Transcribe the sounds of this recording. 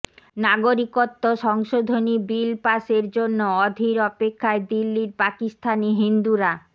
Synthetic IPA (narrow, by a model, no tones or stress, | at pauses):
naɡoɾikot̪ːoʃɔŋʃod̪ʱonibilpaʃeɾd͡ʑonːoɔd̪ʱiɾɔpekʰːaed̪ilːiɾpakist̪ʰaniɦind̪uɾa